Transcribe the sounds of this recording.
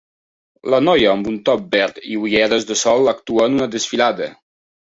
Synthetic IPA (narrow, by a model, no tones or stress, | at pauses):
lanɔjəːmbunt̪ɔp̚bɛɾt̪ḭujɛɾəzd̪əsɔlakt̪uənunəd̪əsfiladə̰